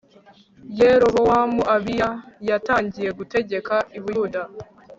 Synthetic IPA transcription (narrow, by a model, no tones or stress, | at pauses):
jeɾoβowamuʔaβijajataːɲɟijeɡute̞ɟe̞kaʔiβujuda